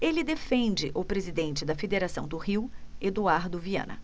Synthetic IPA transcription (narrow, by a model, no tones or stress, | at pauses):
elɪd̪efẽnd͡ʒɪʔʊpɾezid̪ẽnt͡ʃɪd̪ɐfed̪eɾasɐ̃w̃d̪ʊhiwed̪uaɾd̪ʊviɐ̰̃nɐ̰